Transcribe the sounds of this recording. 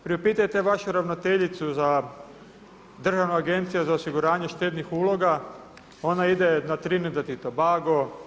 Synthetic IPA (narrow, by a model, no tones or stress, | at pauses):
pɾiopiːt̪ajet̪e̞ʋaʃuɾaʋnot̪eʎit̪suza | d̪r̩ʒaʋnuaɡe̞nt̪sijuzaosiɡuɾaːɲe̞ʃt̪e̞ːd̪nixuːlˠo̞ɡa | o̞naid̪enat̪ɾinid̪at̪it̪obaːɡo